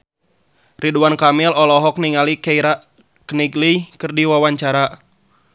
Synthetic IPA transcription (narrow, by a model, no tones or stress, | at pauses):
rʔiduankamilɔlɔɦɔk̚niŋalikɛɾa | kniɡlikɨrdiwawaɲt͡ʃaɾa